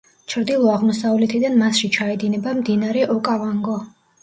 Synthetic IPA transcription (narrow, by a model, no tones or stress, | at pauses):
t͡ʃʰɾd̪ilˠɔaʁmɔsavlɛt̪ʰid̪anmasʃit͡ʃʰaɛd̪inɛbamd̪inaɾɛʔɔkʼavaŋɡɔ